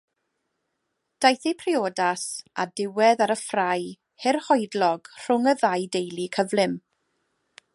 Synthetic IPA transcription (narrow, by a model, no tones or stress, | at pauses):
d̥ajθipʰrɪoːdasadɪwɛðaɾəfraj | hɪrhɔjdlɔɡ̥r̥ʊŋəðajdejlˠikʰəvlɪm